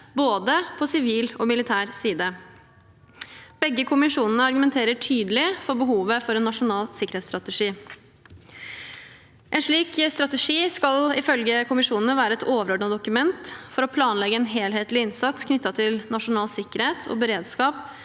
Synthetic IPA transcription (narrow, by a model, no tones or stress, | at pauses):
boːd̪əpʰɔsɪʋiːlɔmɪlɪt̪ʰæːɾsiːd̪ə | b̥ɛɡːəkʰʊmɪʂuːnənəɑɾɡʉmɛnt̪ʰeːɾəʈʰyːd̪əlɪfɔɾbəɦuːʋəfɔɾɛnːɑʂʊnɑːlsɪkəɾheːt̪st̪ɾɑt̪əʂiː | ʔɛnʂɭiːkst̪ɾɑt̪əʂiːskɑlɪfœlɡəkʰʊmɪʂuːnnəʋæːɾəɛt̪oːʋəɾɔɖɳɑd̪ʊkʉmɛnt̪fɔɾɔpʰlɑːnlɛɡəɛnɦeːlheːt̪lɪɪnsɑt̪skʰnʏt̪ːɑt̪ʰɪlnɑʂʊnɑːlsɪkːəɾheːt̪ʰɔ̰bəɾeːd̪skɑːp